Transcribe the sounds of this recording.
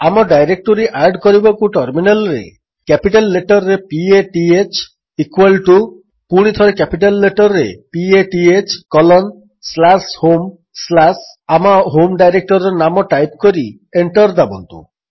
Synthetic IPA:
amɔɖajɾek̚ʈoɾiʔaɾɖkɔɾibɔkuʈɔɾminelɔɾḛ | kɛpiʈalːeʈɔɾɾepieʈiet͡ʃ | ikwalʈu | puɽ̃it̪ʰɔɾekɛpiʈalːeʈɔɾɾepieʈiet͡ʃkɔlɔn | slashom | slas | amaɦomɖajɾek̚ʈɔɾɾɔnamɔʈajp̚kɔɾi | eɳʈɔɾd̪abɔnt̪ṵ

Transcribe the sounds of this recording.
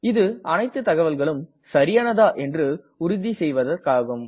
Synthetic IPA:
ɪðɯɐnɐɪt̪ːɯt̪ːɐɣɐʋɐlɣɐɭɯm | sɐɾɪjɐnɐðaːʔɛndrɯ | ʊɾʊðisɛjʋɐðɐrkaːɣɐm

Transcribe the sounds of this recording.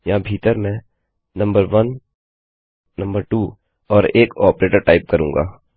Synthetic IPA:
jɐɦãbʱiːt̪əɾmɛ̃ | nɐ̃mbəɾʋən | nɐ̃mbəɾʈuː | ɔːɾeːkɔːpɾeːʈəɾʈaːɪp̚kəɾũːŋɡa̰ː

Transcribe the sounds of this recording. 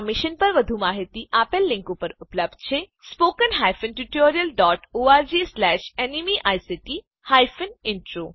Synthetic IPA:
mɪʃənpəɾʋəd̪ʱumaːɦit̪iʔapelːɪ̃ŋkopəɾʊpləb̚d̪̚t͡ʃʰe | spoːkənɦaːjfənʈuʈoːɾijəlɖɔːʈoːaːɾd͡ʒislɛːʃenimiʔajsiʈi | hajfənɪɳʈɾo

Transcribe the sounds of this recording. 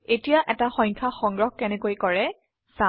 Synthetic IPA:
etijaʔɛtaxɔ̃jɲkʰaxɔŋɡɹɔxkɛnɛkojkɔɹɛ | sa

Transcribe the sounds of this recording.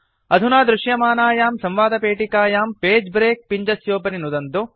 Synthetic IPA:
ɐd̪ʱunaːd̪ɾuʂjɐmaːnaːjaːmsɐmʋaːd̪ɐpeːʈikaːjaːmpeːd͡ʒbɾeːk̚piɲd͡ʒɐsjoːpɐninud̪ɐnt̪u

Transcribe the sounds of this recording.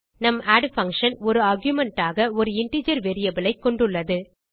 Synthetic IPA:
nɐmaːɖfɐŋkʂɐnɔɾɯɐɾɡjʊmɛɳʈaːɣɐɔɾɯɪɳʈiːd͡ʒɐɾʋɛɾɪjɐbɪɭɐɪkːɔɳɖɯɭːɐðɯ

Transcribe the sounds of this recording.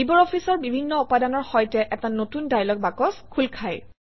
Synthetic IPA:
ibɔɹɔpʰisɔɹbibʱinːɔupadanɔɹxɔjtɛʔɛtanotundajlɔk̚bakɔskʰulkʰaj

